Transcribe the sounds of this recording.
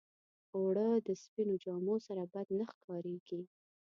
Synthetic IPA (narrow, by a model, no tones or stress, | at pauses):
oɽəd̪əspinod͡ʒɑmosaɾabad̪naxkɑɾeɡ̥i